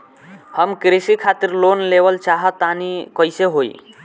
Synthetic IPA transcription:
həmkɾisikʰat̪iɾlonlebəlt͡ʃaɦət̪ːanikəjseɦoḭ

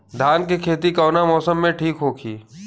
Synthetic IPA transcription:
d̪ʱaːnkekʰeːt̪̬ikɔːnamɔːsəmːẽʈʰiːkɦoːkʰiː

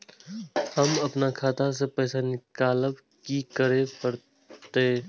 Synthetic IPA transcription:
hɐmɐpnakʰaːt̪as̬epɛːsanɪkaːləb | kikəɾepɐɾ | t̪e

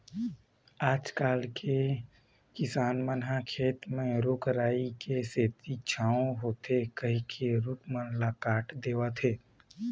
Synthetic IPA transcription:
aːd͡ʒkaːlkʰe | kɪsaːnmənɦakʰeːt̪mẽɾʊkɾaːikeseːt̪it͡ʃʰaːõɦoːt̪ʰekəɦĩkʰeɾʊkmənlakaːʈʰd̪eːwat̪ʰeː

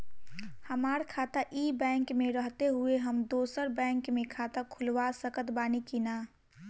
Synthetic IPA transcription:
həmaɾkʰaːt̪aʔibɛ̃ːŋkmẽɾəɦt̪eɦueɦəmd̪oːsəɾbɛ̃ːŋkmẽkʰat̪akʰʊlʋasəkət̪baːnikina

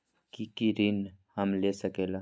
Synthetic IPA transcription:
kikiɾinhɐmlesəkeːla

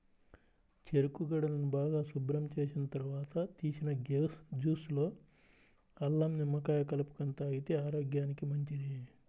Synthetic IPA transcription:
t͡ʃe̞ɾukuɡɐɽɐlɐnubaːɡaːsubɾɐmt͡ʃe̞ːsinɐt̪ɐɾuʋaːt̪ɐt̪iːsinɐɡed͡ʒuːslo̞ː | ɐlːɐmnimːɐkaːjɐkɐlɐpu̥kɐnt̪aːɡit̪e̞ːaːɾo̞ːɡjaːnikimɐɲt͡ʃid̪i

